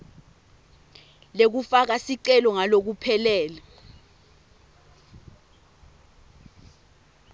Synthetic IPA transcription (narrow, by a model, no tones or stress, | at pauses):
lek̬ufak̬asiǀɛlɔŋalok̬upʰɛlɛːlɛ